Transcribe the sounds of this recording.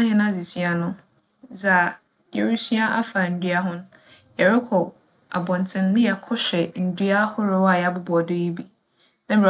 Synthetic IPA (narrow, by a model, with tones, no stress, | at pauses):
ã˦hɛ̃˦nã˦˨zi˨si˦a˨nʊ̃˦ | d͡za˨ | jɛ˨ɾu˦sɥa˦ʔa˦fa˨n̩˨dɥa˦ɦʊ̃˦n˦ | jɛ˨ɾɪ˦kʰɔ˨ | a˨bɔ̃˨n˨tʰɪ̃˨n˦lɪ̃˦a˨kʰɔ˦ɕᶣɛ˨n̩˨dɥa˦hʊ˦ɾʊ˦wa˨ja˨˦bʊ˦bɔ˨de˦ji˦bi˦ | nã˦m̩bɾa˨